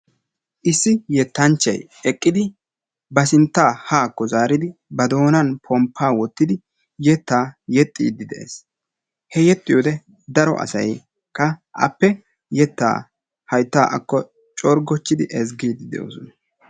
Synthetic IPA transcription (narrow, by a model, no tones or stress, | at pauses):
ʔɪsːɪjɛt̪ːɐnt͡ʃːɐj | ɛkʼːɪd̪ɪ | bɐsɪnt̪ːaːhaːkːɔzaːɾɪd̪ɪbɐd̪o̞ːnɐnpʰɔmpʰːaːwɔt̪ːɪd̪ɪ | jɛt̪ːaːjɛt̪ʼːḭːd̪ːɪd̪ɛʔḛs | hɛjɛt̪ʼːɪjoːd̪ɛ | d̪ɐɾɔ̰ʔɐ̰sɐ̰j | kʰʼːɐʔɐ̰pːɛ | jɛt̪ːa̰ː | hɐjt̪ːaːʔɐ̰kːɔ | t͡ʃʼɔɾɡɔt͡ʃːɪd̪ɪʔɛzɡiːd̪ːɪd̪ɛ̰jo̰ːsɔnɐ